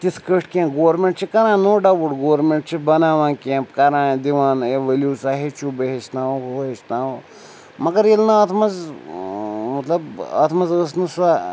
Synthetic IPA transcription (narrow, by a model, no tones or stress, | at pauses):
t̪isʰkəʂʈkẽːɡoːɾmeɳʈt͡ʃʰikɐɾãːnoːɖɐʋuʈɡoːʋɾmẽɳʈ̚t͡ʃʰibɐnaːʋãːnkẽːmpkɐɾãːd̪iʋãːneʋeljuːsaːɦet͡ʃʰubeɦet͡ʃnaːʋoɦet͡ʃnaːw | mɐɡɐɾelnɐɐt̪ʰmɐz | mɐt̪lɐbɐ̰t̪ʰmɐzəsnɨsa